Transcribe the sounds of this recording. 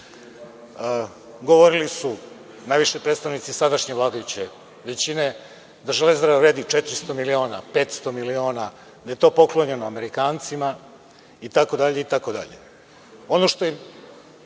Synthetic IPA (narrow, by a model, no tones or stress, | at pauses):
ɡo̞ʋo̞ɾilisu | najʋiʃepɾet̪st̪aʋnit̪sisad̪aʃɲe̞ʋlˠaːd̪ajut͡ɕe | ʋe̞t͡ɕine̞ | d̪aʒelezd̪ɾaʋaɾeːd̪it͡ʃet̪ɾist̪o̞milio̞ːnape̞ːt̪st̪o̞milio̞ːna | d̪ajet̪o̞ːpo̞klˠoɲe̞noame̞ɾikaːnt̪sima | it̪ako̞d̪aʎe̞it̪ako̞d̪a̰ʎḛ | o̞no̞ʃt̪o̞je